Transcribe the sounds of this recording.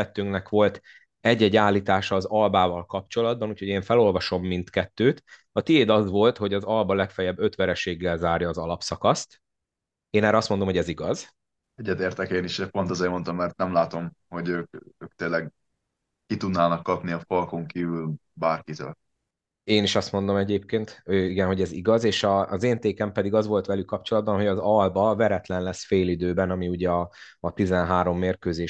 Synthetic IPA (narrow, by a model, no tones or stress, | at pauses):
ɛt̪ːyŋknɛkʋo̞lt̪ | ɛɟːɛɟːaːlːiːt̪aːʃɒːzɒlbaːvɒlkɒpt͡ʃo̞lɒd̪̚bɒnuːcho̞ɟeːɱfɛlo̞lvɒʃo̞mːint̪kɛt̪ːøːt̪ | ɒt̪ieːd̪ɒzʋo̞lt̪ho̞ɟɒzɒlbɒlɛkfɛjɛbːø̞t̪ʋɛɾɛʃeːɡːɛlzaːrjɒːzɒlɒpsɒkɒst̪ | eːnɛːɾɛɒst̪mo̞nd̪omɦo̞ɟɛziɡɒz | ɛɟːɛt̪eːrt̪ɛkeːniʃɛpo̞nt̪ɒzeːrmo̞nt̪ɒmːɛrt̪̚nɛmlaːt̪o̞mho̞ɟøːkøːk̚t̪eːlːɛɡ | kit̪ud̪naːnɒkːɒpniɒfɒlkoŋkiːvyl | baːrkit̪ø̰ːl | eːniʃɒst̪mo̞nd̪o̞mɛɟeːp̚keːnt̪øːiɡɛnɦo̞ɟɛzḭɡɒzeːʃɒːzeːnt̪eːkɛmpɛd̪iɡɒzʋo̞lt̪ʋɛlykːɒpt͡ʃo̞lɒd̪bɒnɦoɟɒzɒlbɒvɛɾɛt̪lɛnlɛsfeːlid̪øːbɛnɒmiuɟɛɒː | t̪izɛnɦaːɾo̞mːeːrkøːzeː